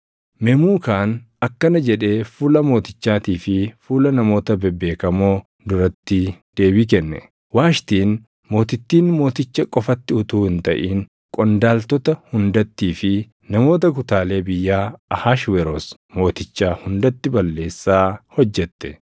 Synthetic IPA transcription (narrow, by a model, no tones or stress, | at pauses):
mɛmuːkaːn | ɐkːɐnɐd͡ʒɛᶑe̞ːfuːlɐmo̞ːt̪ɪt͡ʃːaːt̪iːfɪfuːlɐnɐmo̞ːt̪ɐbɛbːe̞ːkɐmo̞ː | d̪ʊɾɐt̪ːɪd̪̥e̞ːbɪkɛnːɛ̰ | waːʃt̪iːn | mo̞ːt̪ɪt̪ːiːnmo̞ːt̪ɪt͡ʃːɐkʼɔfɐt̪ːɪʊt̪uːhɪnt̪ɐʔiːŋ | kʼɔnd̪aːlt̪ɔt̪ɐhʊnd̪ɐt̪ːiːfɪ | nɐmo̞ːt̪ɐk̬ʊt̪aːle̞ːbɪjːaːɐhaːʃwɛɾos | mo̞ːt̪ɪt͡ʃːaːhʊnd̪ɐt̪ːɪbɐlːe̞ːsːaːhɔd͡ʒːɛt̪ːɛ̥